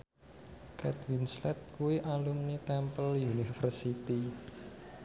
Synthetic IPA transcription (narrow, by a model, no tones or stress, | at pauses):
kɛd̪winslɛt̪̚kuwiʔalumnit̪ɛmpəljunifərsit̪i